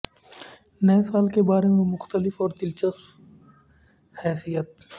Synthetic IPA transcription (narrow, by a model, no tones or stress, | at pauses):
nɐjsaːlkebaːɾemẽmʊxt̪əlɪfɔːɾd̪ɪlt͡ʃəsf | hɛːsijət̪̚